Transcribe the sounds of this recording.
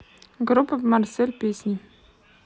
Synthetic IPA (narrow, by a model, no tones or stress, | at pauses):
ɡrupːəvmarselʲpʲesʲnʲi